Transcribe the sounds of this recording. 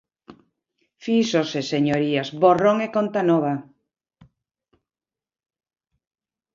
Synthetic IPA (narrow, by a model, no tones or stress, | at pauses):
fisoseseɲoɾiazboroŋekont̪anoβ̞a